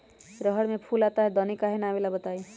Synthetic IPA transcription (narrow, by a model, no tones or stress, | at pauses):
ɾəɦəɽmẽpʰuːlaːt̪aɦɛd̪ɔːnikaɦenaːmelabət̪aːi